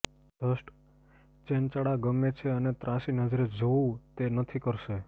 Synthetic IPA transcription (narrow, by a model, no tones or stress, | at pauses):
d̪̥ʱəʃʈ | t͡ʃent͡ʃəɽaɡəmːet͡ʃʰeənet̪ɾãsinəd͡ʒɾed͡ʒoũt̪enət̪ʰikəɾʃe